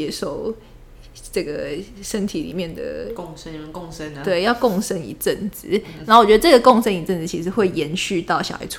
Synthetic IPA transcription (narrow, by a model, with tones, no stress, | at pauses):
ɛ˧˥ʂo˥˩ʊ | ʈ͡ʂə˥˩ɡə˩ʂə˦˥nt̪ʰi˨˥lḭ˨˩mjɛ˥˨˩nd̪ə̰˩˧ | kŋə˦t̪we˥˩ɪjɑ˥˧ʊkɔ˥˨ŋʂə˦nḭ˨˩ʈ͡ʂə˥˨˩nt͡s̩˨˩˦na˨˥o˨˩t͡ɕɥɛ˧˥d̪ə˧˩ʈ͡ʂə˥˩ɡə˩ko˥˨ŋʂə˦ni˨˩ʈ͡ʂə˥˩nt͡sɹ̩˨˩t͡ɕʰi˧˥ʂ̬ɻ̩˧xwe˥˩ɪjɛ˧˥nɕy˥˧t̪ɑ˥˩ʊɕjɑ̰˨˩a̰˧˦ɪt͡sʰ